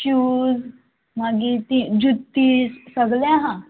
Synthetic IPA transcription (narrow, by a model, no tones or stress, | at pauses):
uːz | maɡit̪ĩd͡ʑut̪ːiːssəɡljãɦã